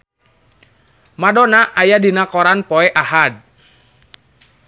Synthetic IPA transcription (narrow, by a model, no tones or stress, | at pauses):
madɔnaʔajadinakɔɾanpɔɛʔahad̚